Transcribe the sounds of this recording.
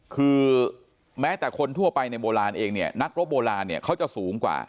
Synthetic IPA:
kʰɯː˧ | mɛː˦˥t̪ɛː˨˩kʰo˧nt̪ʰu˥˩ɐpa˧jna˧jboː˧ɾaː˧nʔeː˧ŋni˥˩ɐna˦˥k̚ɾo˦˥p̚boː˧laː˧nːi˥˩ɐkʰa˦˥wt͡ɕa˨˩suː˩˦ŋkwa̰ː˨˩

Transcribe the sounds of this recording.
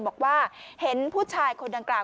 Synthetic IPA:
nbɔː˨˩k̚waː˥˩he˩˦npʰuː˥˩t͡ɕʰaː˧jkʰo˧nda˧ŋklaː˨˩

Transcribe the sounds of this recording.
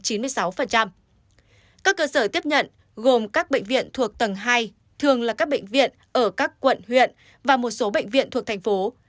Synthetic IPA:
t͡ɕi˨˦nmɨ˧əjsa˨˦wfə˨˩nt͡ɕa˧m | kaː˦˥kːəː˧səː˧˩t̪i˦˥əp̚ɲə̰˧˨n | ɣo˨˩mkaː˦˥k̚ɓə̰˧˨jŋ̟vḭ˧˨ənt̪ʰu˨˩ək̚t̪ə˨˩ŋɦaː˧j | t̪ʰɨ˨˩əŋlaː˨˩kaː˦˥k̚ɓḛ˧˨ŋ̟vḭ˧˨ən | ʔəː˧˩kaː˦˥kːwə̰˧˨nhwḭ˧˨ən | vaː˨˩mo˨˩t̚so˨˦ɓə̰˧˨jŋ̟vḭ˧˨ənt̪ʰu˨˩ət̪ʰa˨˩ŋ̟fo˨˦

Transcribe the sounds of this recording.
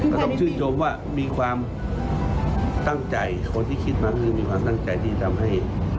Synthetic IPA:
ɔ˧˩t̪ɔ˥˨ŋt͡ɕʰɯː˥˩˨nt͡ɕo˧mwaː˧˩ | miː˧˥kʰwaː˧m | t̪a˥˩ŋt͡ɕa˨˩jkʰo˧˦˨nt̪ʰiː˧˥˩kʰi˧˩t̪̚maː˧kːkʰɯː˧miː˧kʰwaː˧mt̪a˥˩ŋt͡ɕa˨˩jt̪ʰiː˧˩t̪ʰa˧mɦa˥˩j

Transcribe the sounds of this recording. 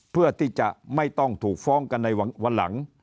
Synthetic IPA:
pʰɯ˥˩ət̪ʰiː˥˩t͡ɕa̰˨˩ʔma˥˩jt̪ɔ˥˩ŋt̪ʰuː˨˩k̚fɔː˦˥ŋka˧nːa˧ja˧wa˧nla̰˩˦ŋ

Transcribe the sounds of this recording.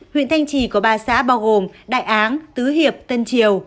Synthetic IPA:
hwḭ˧˨nt̪ʰa˧jŋ̟t͡ɕi˧˩ku˧˩əɓaː˨˩sa̰ː˧˥ɓaː˧wɣo˨˩mɗa̰ː˧˨jʔaː˨˦nt̪ɨ˨˦ɦi˨˩əp̚t̪ə˧nt͡ɕi˨˩əw

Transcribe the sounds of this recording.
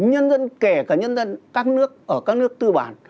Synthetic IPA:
ɲə˧nzə˧nkɛ˧˩kaː˧˩ɲə˧nzə˧nkaː˦˥k̚nɨ˦˥ək̚ʔəː˧˩kaː˦˥k̚nɨ˦˥ək̚t̪ɨ˧ɓa̰ː˧˨˩n

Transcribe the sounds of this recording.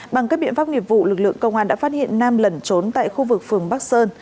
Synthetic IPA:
ɓa˨˩ŋkaː˦˥k̚ɓḭ˧˨ənfa˦˥p̚ŋi˨˩əp̚vṵ˧˨lɨ˨˩k̚lɨ̰˧˨əŋkə˧wŋ͡mhaː˧nɗa̰˧˥faː˦˥t̚hḭ˧˨ənːaː˧mlə˨˩nt͡ɕo˨˦nt̪a̰ː˧˨jxu˧vɨ˨˩k̚fɨ˨˩əŋɓa˦˥k̚səː˧n

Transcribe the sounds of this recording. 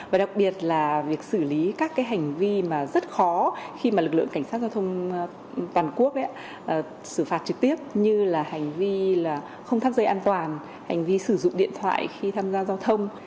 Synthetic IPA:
vaː˨˩ɗa˨˩k̚ɓi˨˩ət̚laː˨˩vi˨˩ək̚sɨ˧˩li˨˦kaː˦˥kːaː˨˦jɦa˨˩jŋ̟vi˧maː˨˩zə˦˥t̚xɔ˨˦xi˧maː˨˩lɨ˨k̚lɨ̰˧˨ə˨ŋka˧˩jŋ̟saː˦˥t̚zaː˧wt̪ʰə˧wŋ͡m | t̪waː˨˩nku˦˥ək̚ʔa̰˧˦ | ʔ | sɨ˧˩faː˦˥t̚t͡ɕɨ˨˩k̚t̪i˦˥əp̚ɲɨ˧laː˨˩ha˨˩jŋ̟vi˧laː˨˩ | xə˧wŋ͡mt̪ʰaː˧mzə˧˩jʔaː˧nt̪waː˨˩n | ha˨˩jŋ̟vi˧sɨ˧˩zʊ̰˧˨ŋ͡mɗḭ˧˨ənt̪ʰwa̰ː˧˨jxi˧t̪ʰaː˧mzaː˧zaː˧wt̪ʰə˧wŋ͡m

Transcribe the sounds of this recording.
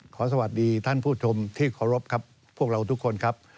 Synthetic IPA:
kʰɔː˩˦s̬a˧wa˨˩t̪̚diː˧t̪ʰa˥˩npʰuː˥˩t͡ɕʰo˧mt̪ʰiː˥˩kʰɔː˩˦ɾo˦˥p̚kʰa˦˥pʰːu˥˩ək̚ɾa˧wt̪ʰu˦˥kʰːo˧nkʰa˦˥p̚

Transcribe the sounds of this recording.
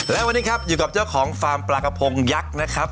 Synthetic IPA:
lɛː˦˥wa˧nːiː˦˥kʰa˦˥p̚juː˨˩ka˨˩p̚t͡ɕaː˥˩wkʰɔː˩˦ŋfaː˧mplaː˨˩ka˧pʰo˧ŋja˦˥k̚na˦˥kʰa˦˥p̚

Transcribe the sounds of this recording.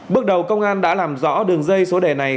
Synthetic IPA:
ɓɨ˦˥k̚ɗə˨˩wkə˧wŋ͡mŋʔaː˧nɗa̰ː˧˥laː˨˩mzɔ̰˧˥ɗɨ˨˩əŋzə˧jso˨˦ɗe˧˩na˨˩j

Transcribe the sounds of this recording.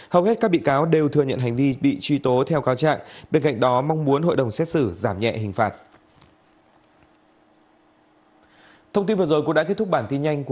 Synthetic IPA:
hə˨˩whe˦˥t̚kaː˦˥k̚ɓḭ˧˨kaː˨˦wɗe˨˩wt̪ʰɨ˨əɲə̰˧˨nɦa˨˩ŋ̟vi˧ɓḭ˧˨t͡ɕwi˧t̪o˨˦t̪ʰɛ˧wkaː˨˦wt͡ɕa̰ː˧˨ŋɓe˧nka̰˧˨ŋ̟ɗɔ˨˦ma˧wŋ͡mmu˨˦ənɦo̰˧˨jɗə˨˩wŋ͡msɛ˦˥t̚sɨ˧˩zaː˧˩mɲɛ̰˧˨hï˨˩ŋ̟faː˨˩t̚ | t̪ʰə˧wŋ͡mt̪i˧nvɨ˨˩əzo˨˩jkʊ̰˧˥ŋ͡mɗaː˧˥e˦˥t̪̚ʊ˥k̚ɓaː˧˩nt̪i˧nɲa˧jŋ̟k

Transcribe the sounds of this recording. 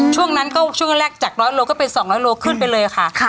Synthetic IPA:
t͡ɕʰu˥˩əŋna˦˥nkɔː˥˩t͡ɕʰu˥˩n˦˥nɾɛː˥˩k̚t͡ɕaː˨˩k̚ɾɔː˦˥jloː˧kɔː˥˩pe˧nsɔː˩˦ŋɾɔː˦˥jloː˧kʰɯ˥˩np̬a˧jlɤː˧ja˨˩kʰa˥˩ʔʰ

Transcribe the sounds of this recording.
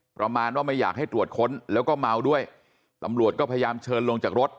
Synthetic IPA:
pɾa˧maː˧nwaː˥˩ma˥˩jaː˨˩k̚ha˥˩jt̪ɾu˨˩ət̪̚kʰo˦˥nlɛː˦˥wkɔː˥˩ma˧wdu˥˩əj | t̪a˧mɾu˨˩ət̪̚kɔː˥˩pʰːja˧jaː˧mt͡ɕʰɤː˧nlo˧ŋt͡ɕaː˨˩k̚ɾo˦˥t̪̚

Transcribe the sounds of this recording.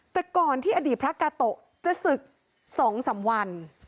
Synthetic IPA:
t̪ɛː˨˩kɔː˨˩nt̪ʰiː˥˩ʔa˧diː˨˩t̪̚pʰɾa˦˥kaː˧t̪o˨˩ʔ | t͡ɕa˨˩sɯ˨˩k̚ | sɔː˩˦ŋsa˩˦mwa˧n

